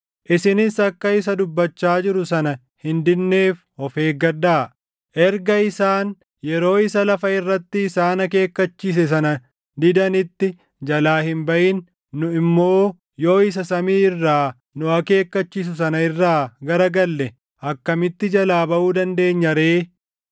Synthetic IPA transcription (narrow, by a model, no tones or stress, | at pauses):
ʔɪsɪnɪsɐkːɐɪs̬ɐd̪ʊbːɐt͡ʃːaːd͡ʒɪɾʊsɐnɐ | hɪnd̪ɪnːe̞ːf | ɔfe̞ːɡɐdaː | ʔɛɾɡɐɪsaːn | jɛɾo̞ːɪsɐlɐfɐɪrːɐt̪ːɪːsaːnɐke̞ːkːɐt͡ʃːiːs̬ɛs̬ɐnɐ | d̪ɪd̪ɐnɪt̪ːɪ | d͡ʒɐlaːhɪmbɐʔɪnː | ʊɪmːo̞ː | jo̞ːɪs̬ɐsɐmiːɪrːaː | nʊɐke̞ːkːɐt͡ʃːiːs̬ʊs̬ɐnɐɪrːaːɡɐɾɐɡɐlːɛ | ʔɐkːɐmɪt̪ːɪd͡ʒɐlaːbɐʔuːd̪ɐnd̪e̞ːɲːɐɾeː